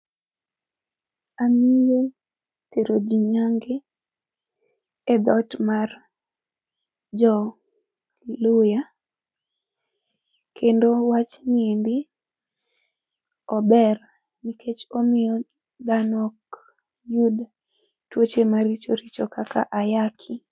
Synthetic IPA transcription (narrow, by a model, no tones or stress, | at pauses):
amije | teɾod͡ʒiɲaŋɡe | ɛd̪ɔtmar | d͡ʒɔ | lʊja | kʰendowat͡ʃniendɪ | ɔbɛr | nikʰet͡ʃomɪjɔ | d̪anɔk | jud | twot͡ʃemaɾit͡ʃoɾit͡ʃɔkaka̰ʔajakʰi